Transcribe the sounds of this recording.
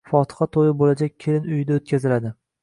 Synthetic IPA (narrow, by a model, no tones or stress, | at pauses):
fɒt̪ʰɨ̥χɑt̪ʰojɪbolad͡ʒak̚ʲkʲʰelɪnʊjɪd̪aot̪̚kʲazɪlad̪ɪ